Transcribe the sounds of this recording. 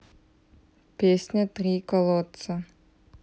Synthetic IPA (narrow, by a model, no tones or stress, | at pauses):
pʲesʲnʲɐt̪ɾʲikɔlˠɔt̪sɐ